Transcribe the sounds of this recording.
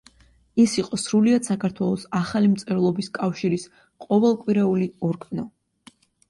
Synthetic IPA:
isiqʼɔsɾuliad̪̥sakʰaɾt̪ʰwɛlˠɔsaχalimt̪sʼɛɾlˠɔbiskʼafʃiɾis | qʼɔvɛlˠkʼwiɾɛuliɔɾɡanɔ

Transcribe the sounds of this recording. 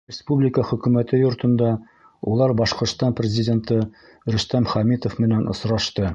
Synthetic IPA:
rʲɪspublʲɪkəχɵ̆kʉ̆mæt̪ɘjŏɾt̪ɤ̆nd̪ɑ | ulˠɑɾbɒʃqŏɾst̪ɑnprʲɪzʲɪdʲe̞nt̪ɤ | ɾɵ̆st̪æmχæmit̪ŏfmɘ̆nænʔŏ̰sɾɑʃt̪ɤ

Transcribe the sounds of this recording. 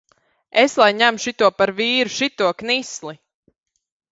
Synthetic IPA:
eslˠajɲæmʃit̪uɔpaɾviːɾuʃit̪uɔknislˠi

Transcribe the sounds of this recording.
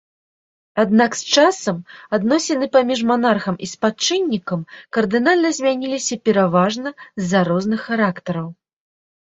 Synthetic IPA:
ad̪nakst͡ʂasɐmad̪nɔsʲɛnɨpamʲiʐmanarxɐmʔispat͡ʂɨnʲːikɐmkɐrd̪ɨnalʲnɐzʲmʲanʲilʲisʲɐpʲɛɾavaʐnɐzʲːaɾɔznɨxːaɾakt̪ɐɾɐw

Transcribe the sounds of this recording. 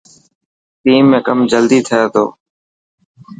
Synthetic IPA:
tiːmːẽːkəmd͡ʒəld̪iːt̪ʰəjaːt̪ʰo̰ː

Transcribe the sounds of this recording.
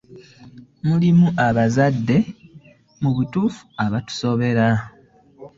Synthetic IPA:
mulimuʔaβazadːe̞ | muβutuːfu̥aβatu̥so̞βe̞ɾa

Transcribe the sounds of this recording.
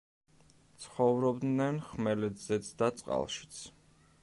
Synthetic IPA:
t̪sʰχɔvɾɔbd̪nɛnχmɛlɛd̪zɛt̪sʰd̪at̪sʼqʼa̰lˠʃi̥t̪sʰ

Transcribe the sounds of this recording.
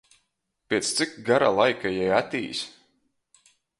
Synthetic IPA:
pʲeɛt̪st̪sikɡaɾa̰lˠajkajɛjat̪ʲiːs

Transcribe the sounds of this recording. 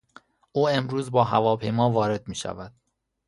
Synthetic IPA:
ʔuːe̞mɾuːzbɒːɦævɒːpʰe̞jmɒːvɒːɾe̞d̪̚miːʃæ̰væd̪̥

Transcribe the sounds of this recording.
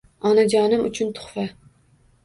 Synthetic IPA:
ɑnad͡ʒɑːnɨmʊ̰t͡ʃʰʊnt̪ʰʊ̥χfa

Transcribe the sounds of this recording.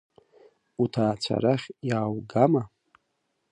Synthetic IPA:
utʰaːt͡ɕʷʰa̰ɾaχʲjaːwɡama

